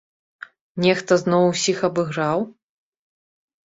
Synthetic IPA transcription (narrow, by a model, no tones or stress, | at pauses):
nʲɛxt̪ɐznɔwusʲixɐbɨɣɾaw